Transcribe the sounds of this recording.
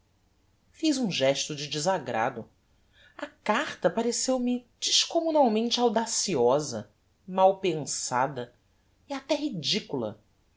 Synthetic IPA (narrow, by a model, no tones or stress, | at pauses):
fizũʒɛʃt̪ʊd͡ʒɪd͡ʒɪzaɡɾa̰d̪ʊ | ɐkaɾt̪ɐpaɾesewmɪd͡ʒiʃkomunawmẽnt͡ʃɪawd̪asiɔzɐ̰ | mawpẽŋsa̰d̪ɐ | iat̪ɛɦid͡ʒikulɐ̰